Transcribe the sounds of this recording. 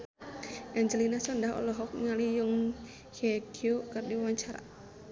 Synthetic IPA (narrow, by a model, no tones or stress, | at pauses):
ʔaɲd͡ʒəlinasɔndaɦɔ̰lɔɦɔk̚ŋalijʊŋ | heɡ̥iokərdiwaɲt͡ʃaɾa̰